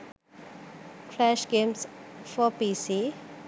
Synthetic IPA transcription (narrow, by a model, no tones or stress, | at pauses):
kʰlɛʃɡẽmsfɔpisi